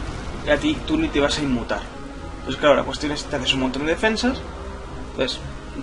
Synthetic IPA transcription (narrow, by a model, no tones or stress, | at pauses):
eat̪it̪unit̪eβ̞asaimːut̪a̰ɾ | nonθe̥klaola̰kwest̪jo̞net̪eaθeumont̪ond̪eefe̞nsas | es